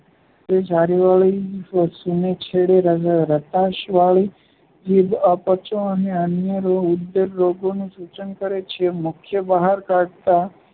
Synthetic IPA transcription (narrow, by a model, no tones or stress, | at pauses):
t̪ed͡ʒaɾiʋaɭifəsunet͡ʃʰeɭeɾəɾət̪aʃʋaɭi | d͡ʒebəpət͡ʃõəneənjəɾoud̪ːəɾːoɡonũsut͡ʃənkəɾet͡ʃʰemʊkʰjəbəɦaɾkaɖt̪a